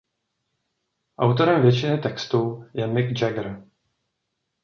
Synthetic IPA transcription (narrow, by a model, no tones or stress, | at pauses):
ʔawt̪o̞ɾɛmvjɛt͡ʃɪnɪt̪ɛkst̪ujɛmɪɡd͡ʒɛɡɾ